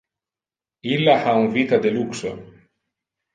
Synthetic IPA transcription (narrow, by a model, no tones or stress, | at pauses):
ilːahauŋvit̪ad̪elukso̰